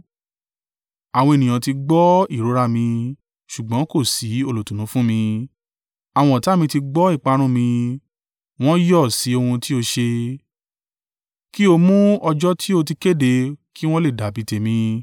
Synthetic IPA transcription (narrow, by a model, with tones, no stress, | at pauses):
a˨wɔ̃˧e˨nĩ˨j̃ã˨ti˧ɡ͡bɔ˦i˦˨ɾo˨˦ɾa˦˨mĩ˧ | ʃu˨ɡ͡bɔ̃˨˦ko˦˨si˨˦o˧˨lo˨tũ˨nũ˨˦fũ˦mĩ˧ | a˨w̃ɔ̃˧˦˨ta˦˨mĩ˧ti˧ɡ͡bɔ˦i˦˨k͡pa˨˧˦ɾ̃ũ˦˨mĩ˧ | w̃ɔ̃˦jɔ˦˨si˨˦o˧hũ˧ti˦o˧ʃe˧ | ki˦o˧mũ˦ɔ˧d͡ʒɔ˦tʰi˦o˧ti˧ke˦˨de˧ki˦w̃ɔ̃˦le˦˨da˨bi˨˦te˨mĩ˧